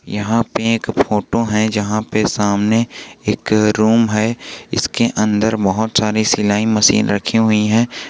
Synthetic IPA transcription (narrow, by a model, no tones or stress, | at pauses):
jɐɦãpeeːkfoːʈoɦɛ̃d͡ʒɐɦãpesaːmneeːkɾuːmɦɛɪ̰skeʔɐ̃nd̪əɾbɐɦʊt̪saːɾisɪlaːimɐsḭːnɾɐkʰiɦʊiɦɛ̃ː